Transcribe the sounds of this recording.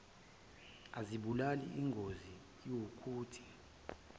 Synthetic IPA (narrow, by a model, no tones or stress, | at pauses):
aziɓulalḭiŋɡʱozi | jokʰuːtʰi̥